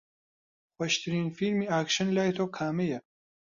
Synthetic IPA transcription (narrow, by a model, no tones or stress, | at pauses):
xwɐʃt̪ʰiɾiːnfilmiaːkʃɐnlaːjt̪ʰoːkʰaːmejɐ